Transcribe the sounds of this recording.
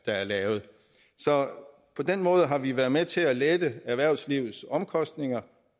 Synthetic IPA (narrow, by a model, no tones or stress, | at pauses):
d̥ɑ̈æɐlɛːʊð̞̩ˠ | sɒ̽ | pʰɒ̽d̥enmɔ̽ːð̞ˠəɦɑ̈ʋiʋæɐð̞̩ˠmet͡sʰe̝æled̥əæɐʋæɐ̰ʊsliʊð̩ˠsɒ̽mkʰɒ̽sd̥ne̝ŋɐ